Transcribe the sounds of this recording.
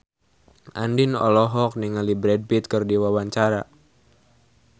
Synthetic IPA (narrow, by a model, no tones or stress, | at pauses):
ʔandinɔ̰lɔɦɔk̚niŋalibɾɛd̚bit̪̚kɨrdiwawaɲt͡ʃaɾa